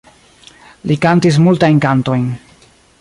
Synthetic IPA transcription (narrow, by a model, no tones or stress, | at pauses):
likantis̬multajnkanto̞jn